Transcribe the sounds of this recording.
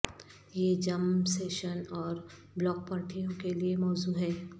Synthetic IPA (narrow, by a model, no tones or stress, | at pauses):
jeːd͡ʒɐmseːʃənɔːɾ | blɔːk̚pɐɾʈʰijõkeliemɔːzuːɦɛː